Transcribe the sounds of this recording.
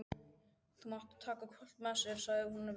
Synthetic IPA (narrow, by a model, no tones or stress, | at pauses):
θumaht̪ḁt̪ʰːaːkakʰvœl̥t̪masɪɾ̥saɣðɪhunːav